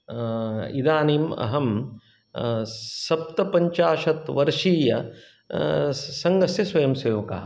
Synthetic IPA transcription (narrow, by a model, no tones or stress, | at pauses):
ḭd̪aːniːmɐ̰ɦɐm | sɐp̚t̪ɐpɐɲt͡ʃaːʂɐt̪ʋɐɾʂiːjɐ | sɐŋɡɐsjɐsʋɐjɐmsɐjoːka̰ː